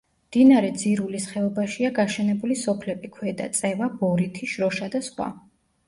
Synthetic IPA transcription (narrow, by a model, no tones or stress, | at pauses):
md̪̥inaɾɛd̪ziɾulisχɛɔbaʃiaɡaʃɛnɛbulisɔpʰlɛbikʰwɛd̪a̰t̪sʼɛvab̥ɔɾit̪ʰiʃɾɔʃad̪asχwa̰